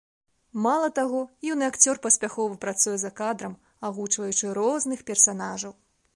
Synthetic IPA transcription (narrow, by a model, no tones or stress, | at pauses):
malˠɐt̪aɣɔjiwnɨakt͡sʲɔrpɐsʲpʲaxɔvɨpɾat̪sujɛzɐkad̪ɾɐm | aɣut͡ʂvɐjut͡ʂɨɾɔznɨxpʲɛrsanaʐɐw